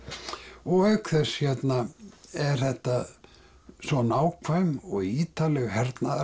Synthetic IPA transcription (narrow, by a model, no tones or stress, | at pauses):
ɔɣœɥkθɛsçjɛt̪naɛɾ̥θɛht̪a | sɔnaːwkʰvajmɔɣiːt̪alɛɣɦɛɾt̪naða